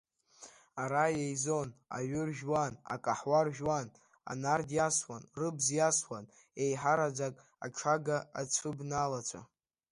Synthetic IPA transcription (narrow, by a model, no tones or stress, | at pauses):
aɾajejzo̞na̰ɥʷʏrʒᶣwana̰kʼaħwarʒᶣwan | a̰nardjaswanrɨbzjaswan | ejħaɾad͡zakʼ | aʈ͡ʂʰaɡaːt͡sʷʰɨbnalat͡ʃʷʰa̰